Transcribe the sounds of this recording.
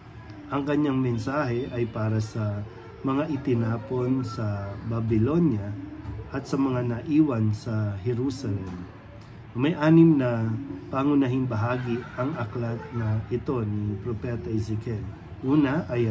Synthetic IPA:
ʔɐŋkɐɲːaŋmɛnsaːɦɛʔɐjpaːɾɐsɐ | mɐŋaʔɪt̪ɪnaːponsɐbɐbɪlo̞njɐʔɐt̪sɐmɐŋanɐʔiːwɐnsɐhɛɾusɐlɛm | mɐjʔaːnɪmnɐpaŋʊnɐɦɪnbɐɦaːɡiʔɐŋʔɐklat̪nɐʔɪt̪o̞nipɾopɛt̪ɐɪsɪkɛl | ʔuːnɐʔɐj

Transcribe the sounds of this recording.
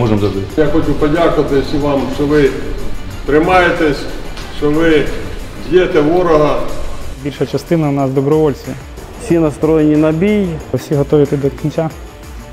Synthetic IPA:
ɔʒemzɐd̪ɪjaxɔt͡ʃupɔdʲakʊʋɐt̪ɪsʲʋɑmʃt͡ʃɔʋɪ | t̪ɾɪmɑjet̪ɛsʲʃt͡ʃɔʋɪdʲjɛt̪ɛʋɔɾɔɦɐbʲilʲʃɐt͡ʃɐst̪ɪnɐʊnɑsd̪ɔbɾɔʋɔlʲt͡sʲ | wsʲinɐst̪ɾɔjenʲinɐbʲijwsʲiɦɔt̪ɔʋʲit̪ɪd̪ɔkʲinʲt͡sʲa

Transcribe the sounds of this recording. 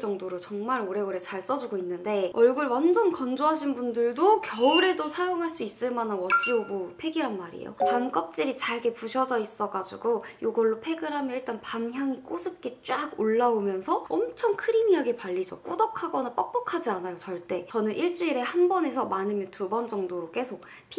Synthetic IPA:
d͡ʑʌŋdoɾot͡ɕʌŋmaɾoɾe̞ɡoɾet͡ɕaɭs͈ʌd͡ʑuɡoinːɯnde̞ʌɭɡuɭwand͡ʑʌnkʌnd͡ʑoɦaɕ̬ʰinbundɯɭdokjʌɯɾe̞dosʰajoŋɦaɭs͈uis͈ɯɭmanɯnwʌs͈ɯobupʰe̞ɡiɾɦanmaɾḭjo̰pamk͈ʌp̚t͡ɕ͈iɾit͡ɕaɭɡe̞puɕʰʌd͡ʑʌis͈ʌɡad͡ʑuɡojoɡʌɭːopʰe̞ɡɯɾɦamjʌiɭt͈anpamçjaŋik͈osʰɯp̚k͈et͡ɕ͈aɡoɭːaomjʌnsʰʌʌmt͡ɕʰʌŋkʰɯɾimiaɡe̞paʎːid͡ʑʌk͈udʌkʰaɡʌnɯnp͈ʌk̚p͈ʌkʰad͡ʑianajot͡ɕʌɭt͈e̞t͡ɕʌnɯnʔiɭt͡ɕ͈uiɾe̞hanbʌne̞sʰʌmanɯmjʌntubʌnd͡ʑʌŋdoɾok͈e̞sʰok̚ | pʰi

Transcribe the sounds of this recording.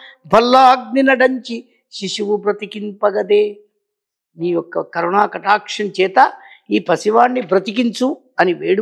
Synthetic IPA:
bʱɐlːaɡ̚ninɐɖɐɲt͡ʃi | ʃiʂuʋubɾɐt̪ikimpɐɡɐd̪eː | niːjɔkːɐkɐɾuɳaːkɐʈaːkʂɐnt͡ʃɛːt̪ɐiːpɐsiʋaːɳːibɾɐt̪ik̬iɲt͡ʃu | ɐniʋeːɽu

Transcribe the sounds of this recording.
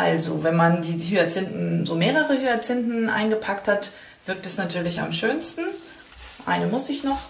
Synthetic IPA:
ʔalzo̰vɛnmandiːɦyːɐt͡sɪntn̩zoːmeːʁəʁəhyːɐt͡sɪntn̩ʔa̰ɪnɡəpʰak̚that | v̥ɪɐk̚tɛsnatʰyːɐlɪça̰mʃøːnstn̩ | ʔa̰ɪnəmʊsɪçnɔχ

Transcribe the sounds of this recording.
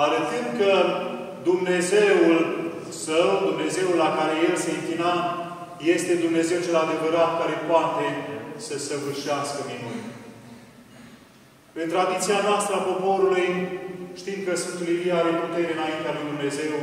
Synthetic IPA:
aɾət̪ɨnd̪kə | d̪umne̞ze̞ul | səwd̪umne̞ze̞ulːakaɾe̞je̞lseiŋklina | je̞st̪e̞d̪umne̞ze̞wt͡ʃe̞lad̪e̞vəɾat̪̚kaɾe̞poat̪e̞səsəvɨrʃiaskəminun | ɨnt̪ɾad̪it̪sianoast̪ɾəapo̞po̞ɾulujʃt̪imkəsunt̪uliliaɾeput̪e̞ɾeɨnaint̪ealujd̪umne̞ze̞w

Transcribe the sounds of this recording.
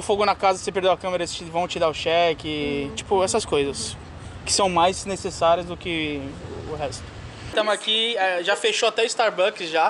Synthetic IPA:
ʊfoɡʊnɐkazɐsepeɾd̪ewɐkɐ̃meɾɐest͡ʃivɐ̃w̃t͡ʃid̪aʊʃɛkɪt͡ʃi̥pʊɛsɐskojzɐs | kɪ̥sɐ̃w̃majznesesaɾiɐzd̪ʊkɪː | ɦɛst̪ʊ̥ | t̪ɐ̃w̃akiɛʒafeʃoat̪ɛʊist̪aɾbɐ̃kɪsʒa

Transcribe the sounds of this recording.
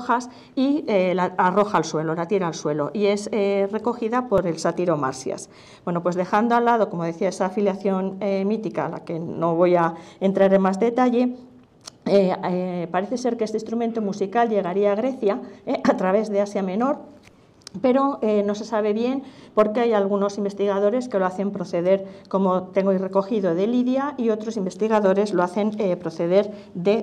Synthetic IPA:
xas | ielaaro̞xaːlswe̞lo̞lat̪je̞ɾalswe̞lo̞ʔie̞sere̞ko̞xiðapo̞ɾe̞lsat̪iɾo̞ma̰ɾsja̰s | bwe̞no̞pwezðe̞xand̪oalːað̞o̞ko̞mo̞ðe̞θiae̞saːfiljaθjo̞nemit̪ikala̰ke̞no̞β̞o̞jae̞nt̪ɾaɾe̞nmazðe̞t̪aʝe̞ | epaɾe̞θe̞se̞ɾkeest̪eĩst̪ɾument̪omusikalʝe̞ɣ̞aɾiaːɣ̞ɾe̞θjaʔat̪ɾaβ̞e̞zðe̞asjamẽ̞no̞ɾ | pe̞ɾo̞eno̞se̞saβ̞e̞βje̞npo̞ɾke̞ajalɣ̞uno̞simbe̞st̪iɣ̞aðo̞ɾe̞ske̞loaθe̞mpɾo̞θe̞ðe̞ɾko̞mo̞t̪e̞ŋɡoire̞ko̞xiðo̞ðe̞liðjaio̞t̪ɾo̞simbe̞st̪iɣaðo̞ɾe̞zlo̞aθe̞npɾo̞θe̞ðe̞ɾ | d̪e̞

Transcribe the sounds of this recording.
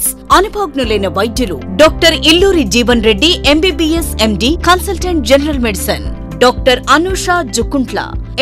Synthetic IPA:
s | ɐnubʱaːɡnɐlejnɐʋɐjd̪ʱjɐlṵɖɔːk̚ʈɐɾilːuːɾid͡ʒiːʋɐnɾeɖːiʔembiːbiːesemɖikɐnsɐlʈeɳʈ̚d͡ʒenɐɾɐlmeɖisɐn | ɖɔːk̚ʈɐɾɐnuːʂaːd͡ʒukːuɳʈlɐ̰

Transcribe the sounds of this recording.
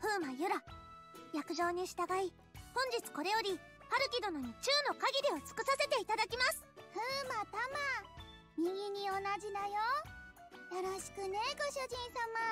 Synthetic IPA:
ɸɯ̟ːmajɯ̟ɾa | jakɯ̟ʑo̞ːɲ̟iɕi̥t̪aɡai | hõ̞ɲ̟d͡ʑit͡sɨ̥ko̞ɾe̞jo̞ɾʲi | haɾɯ̟kʲid̪o̞no̞ɲ̟it͡ɕɨːno̞kaɡʲiɾʲio̞t͡sɨ̥kɯ̟sase̞t̪e̞it̪ad̪akʲimasɨ̥ɸɯːmapama | mʲiɡʲiɲ̟io̞nad͡ʑid̪ajo | jaɾaɕi̥kɯ̟ne̞ɡo̞ɕɨʑĩɰ̃sama

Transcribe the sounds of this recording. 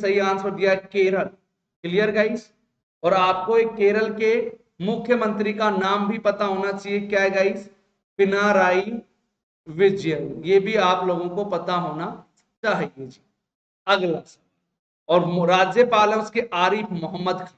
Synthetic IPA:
sɐɦiãːnsʰod̪ijaɦekeːɾəl | kɪlijəɾɡəːis | ɔːɾaːp̚koeːkːeːɾəlke | mʊkʰjəmə̃nt̪ɾikanaːmbʱipɐt̪aɦoːnat͡ʃaːɦiekjaːɡəɪs | pɪnaɾaːi | ʋɪd͡ʒjəmjebʱiaːploːɡõkopɐt̪aɦoːna | t͡ʃaːɦiɡed͡ʒiː | ɐɡlas | ɔːɾɾaːd͡ʒjəpaːlẽʊskeʔaːɾifʰmʊɦəmːəd̪kʰ

